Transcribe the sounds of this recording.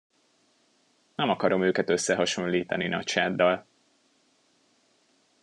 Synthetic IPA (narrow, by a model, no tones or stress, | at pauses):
nɛmɒkɒɾo̞møːkɛt̪ø̞sːɛɦɒʃo̞nliːt̪ɒ̰ninɒt͡ʃaːd̪ːɒl